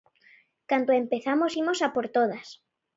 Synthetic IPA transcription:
kant̪oempeθamosimosapoɾt̪oð̞as

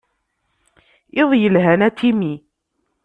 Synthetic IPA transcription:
ʔɪðˤjəlɦænæt̪ʰimi

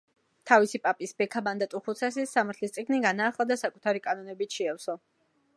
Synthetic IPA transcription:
t̪ʰavisipʼapʼisbɛkʰaband̪at̪ʼuχut̪sʰas̬isːamaɾt̪ʰlist̪sʼiɡʰniɡanaːχlˠad̪asakʼu̥t̪ʰaɾikʼanɔnɛbit̪ʃɛɛfsɔ

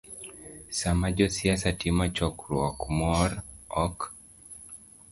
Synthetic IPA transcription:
samad͡ʒɔsiasatimat͡ʃɔkɾuakumɔɾɔk

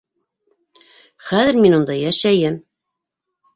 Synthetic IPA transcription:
χæðɘɾminund̪ɑjæʃæjɘm

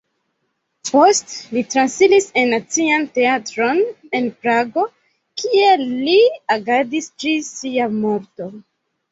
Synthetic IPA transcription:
po̞stlitɾansilise̞nːat͡siante̞atɾo̞ne̞npɾaɡo̞ | kʰie̞liaɡadistɾisiamo̞ɾto̞

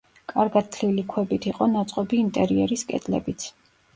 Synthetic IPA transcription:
kʼaɾɡat̪̚t̪ːʰlilikʰwɛbit̪ʰiqʼɔnat̪sʼqʼɔbiːnt̪ʼɛɾiɛɾiskʼɛ̰d̪ʼlɛ̰bit̪sʰ

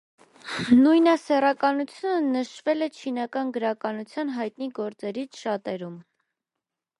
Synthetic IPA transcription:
nujnɑsɛrɑkɑnut͡sʰjunənəʃvɛlɛt͡ʃʰinɑkɑnɡəɾɑkɑnut͡sʰjɑnɦɑjt̪niɡɔɾt͡sɛɾit͡sʰʃɑt̪ɛɾum

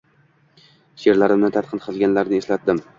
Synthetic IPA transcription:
ʃe̞ɾlaɾɪmnɪt̪ʰat̪̚qʰɨnqʰɨlˠɡʲanlaɾnɪeslat̪̚d̪ɪm

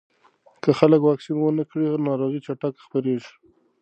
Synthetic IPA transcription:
kəxaləkwɑksinwənəkɽinɑɾoɣit͡ʃaʈakxpəɾeʒi̥

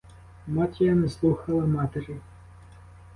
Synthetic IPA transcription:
mɑtʲijɐnɛslˠuxɐlˠɐmɑt̪eɾɪ

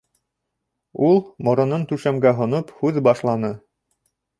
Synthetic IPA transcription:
ulˠmŏɾɤ̆nɤnt̪ʉʃæmɡæɦŏnophʉðbɑʃlˠɑnɤ

